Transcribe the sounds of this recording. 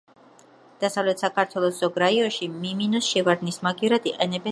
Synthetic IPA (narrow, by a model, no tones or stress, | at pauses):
d̪̥asavlɛt̪ʰsakʰaɾt̪ʰwɛlˠɔsːɔɡɾaiɔnʃimiminɔsʃɛvaɾd̪nismaɡivɾad̪iqʼɛnɛbɛ